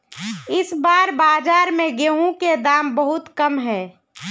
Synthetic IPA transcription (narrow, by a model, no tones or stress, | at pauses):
ɪsbaːɾbaːd͡ʒaːɾmẽɡeːɦũked̪aːmbəɦʊt̪kɐmɦɛː